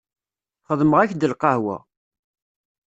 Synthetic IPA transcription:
χəðˤməʁæçd̪əlqɑhwæ̰

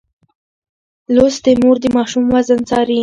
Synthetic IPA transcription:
losd̪emoɾd̪əmɑʃumwazənt͡sɑɾi

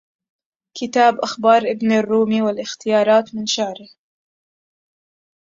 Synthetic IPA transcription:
kɪt̪aːbʔaxbɑːɾˤʔɪbnrːuːmiːwɪlʔɪxt̪ɪjɑːɾˤɑːt̪mɪnʃaʕɾɪh

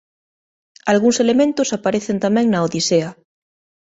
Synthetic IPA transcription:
alɣuŋselemẽnt̪osapaɾeθent̪amɛ̃ŋnaoðisea

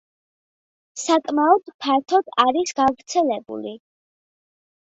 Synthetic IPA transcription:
sakʼmaɔd̪̥pʰaɾt̪ʰɔd̪̥aɾisɡavɾt̪sʰɛlɛbṵli

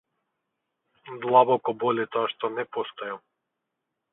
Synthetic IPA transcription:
d̪lˠabɔkɔbɔlʲit̪ɔaʃt̪ɔnɛpɔst̪ɔja

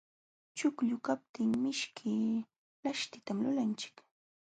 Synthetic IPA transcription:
t͡ʃʊkʎʊkap̚t̪ɪŋmɪʃkʰɪ | laʃt̪ɪt̪amlʊlant͡ʃɪ̥k

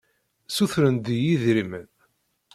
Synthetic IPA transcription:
suθɾənd̪ijiðɾimən

